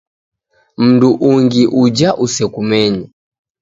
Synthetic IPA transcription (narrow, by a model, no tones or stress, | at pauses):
m̩nduʔuŋɡiʔud͡ʒaʔusɛkumɛɲa